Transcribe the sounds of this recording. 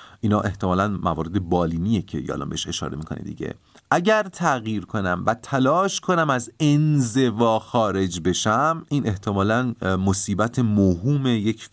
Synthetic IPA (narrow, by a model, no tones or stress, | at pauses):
ʔiːnɒːʔe̞ht̪ʰemɒːlænmævɒːɾe̞d̪e̞bɒːliːnije̞cʰe̞̰j̰æ̰lɒ̰mbeeʃe̞ʃɒ̰ːɾemiːkʰo̞̰nḛd̪ḭɟe̞̰ | ʔæɟæɾt̪ʰæɣjiːɾkʰo̞næmvæt̪ʰælɒːʃkʰo̞næmæzenze̞vɒːxɒːɾe̞d͡ʒbe̞ʃæmʔiːnʔe̞ht̪ʰe̞mɒːlænmosiːbæt̪ʰe̞moɦuːme̞jecʰ